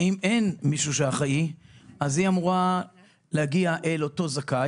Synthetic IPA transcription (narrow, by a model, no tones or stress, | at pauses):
imenmiʃuʃehaχaʔiazhiamuʁa | lehaɡiaʔelo̞to̞zaka